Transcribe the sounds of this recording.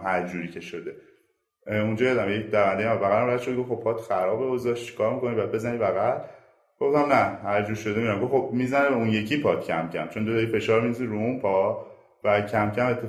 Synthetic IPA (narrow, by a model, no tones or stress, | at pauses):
hæɾd͡ʒuːɾiːcʰeʃod̪e | ũnd͡ʒɒːjɒd̪æmjecɾævænd̪ejmæbæɣæɾæmbjæd̪ʃod̪ɡofxob̥̚pʰɒt̪ʰxæɾɒːbeozɒʃtt͡ʃʰi̥kʰɒːɾmikonibajæd̪̚be̞zænibæɣæl | ɡ̥o̞ft̪æmnæhæɾd͡ʒuːɾʃod̪emiɾæmɡofxob̚mizænebeũnje̞cʰipʰɒːt̪cʰæmcʰæ̰mt͡ʃʰo̞nd̪ot̪ʰɒife̞ʃɒːɾminsziɾuũnpʰɒ | bæcʰæmcʰæmet̪ʰːe